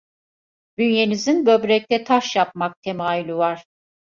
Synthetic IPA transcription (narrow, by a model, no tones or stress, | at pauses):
d̪̥ynje̞nizinbø̞bɾɛc̚t̪ʰɛt̪ʰaʃjap̚mak̚t̪ʰe̞maːylʲyvaɾ̥